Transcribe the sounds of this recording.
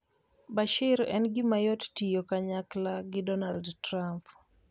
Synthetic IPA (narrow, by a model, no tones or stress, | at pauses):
baʃɪɾɛ̰nɡɪmajɔttijokaɲaklaɡɪdɔnaldtɾamp